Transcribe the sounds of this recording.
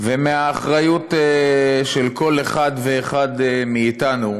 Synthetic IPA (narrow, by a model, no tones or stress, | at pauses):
vemeaːχʁajut̪eʃelko̞leχad̪veːχad̪miːtanu